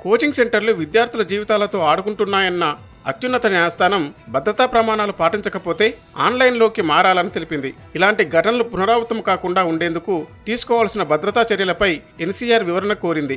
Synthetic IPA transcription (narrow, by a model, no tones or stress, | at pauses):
ko̞ːt͡ʃiŋɡse̞ɳʈɐɾluʋid̪jaːɾt̪ilɐd͡ʒiːʋit̪aːlɐt̪o̞ːaːɽuɡuɳʈunːaːjɐnːɐ | ɐ̰t̪junːɐt̪ɐnaːst̪ʰaːnɐmbɐd̪ɾɐt̪aːpɾɐmaːnaːlupaːʈiɲt͡ʃɐkɐpo̞ːt̪e̞ː | a̰ːnlɐjnlo̞ːkimaːɾaːlɐnit̪e̞lipind̪i | ilaːɳʈiɡʱɐʈɐnɐlupunɐɾaːʋɐt̪ɐmkaːkuɳɖaːuɳɖe̞ːnd̪ukut̪iːsu̥kɔːʋaːlsinɐbɐd̪ɾɐt̪aːt͡ʃɐɾjɐlɐpɐj | e̞nsiːjaːɾʋiʋɐɾɐnɐko̞ːɾind̪i